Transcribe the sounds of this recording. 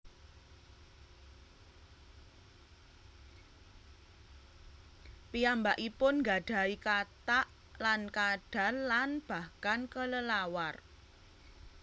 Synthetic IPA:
piambaʔipʊnŋɡaɖ̥a̤ikat̪aʔ | lankaɖ̥ä̤nlanb̥a̤hkankələlawar

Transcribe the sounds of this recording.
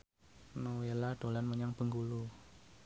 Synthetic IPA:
nowelaɖ̥o̤lanməɲaŋb̥əŋɡulu

